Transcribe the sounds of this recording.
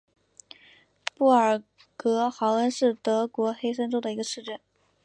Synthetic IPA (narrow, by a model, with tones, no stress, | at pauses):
pu˥˩ə˞˨˩ | kɤ˧˥xɑ˧˥ʊə˧˥nʂɻ̩˥˩t̪ɤ˧˥kwɔ˧˥xe˥ɪʂə˥nʈ͡ʂo˥d̪ə˨i˧˥ɡə˧ʂɻ̩˥˧ʈ͡ʂə˥˩n